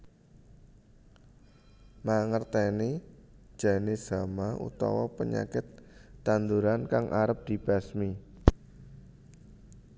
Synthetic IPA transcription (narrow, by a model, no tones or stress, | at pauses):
maŋərt̪ɛnid̥ʒ̥a̤nez̥a̤maṵt̪ɔ̰wɔpəɲa̰kɪt̪ːand̪uɾankaŋʔa̰ɾəp̚d̪̥i̤b̥a̤smi